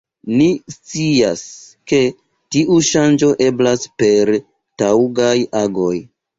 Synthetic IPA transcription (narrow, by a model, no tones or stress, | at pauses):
nist͡sia̰ske̞ | tiʔuʃand͡ʒo̞ʔe̞blaspe̞ɾ | tawɡajaɡo̞j